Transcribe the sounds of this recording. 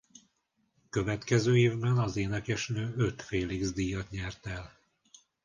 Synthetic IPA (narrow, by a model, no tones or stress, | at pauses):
kø̞vɛt̪kɛzøːeːvbɛnɒzeːnɛkɛʃnøːøt̪feːliɡzd̪iːjɒt̪ɲɛrt̪ɛl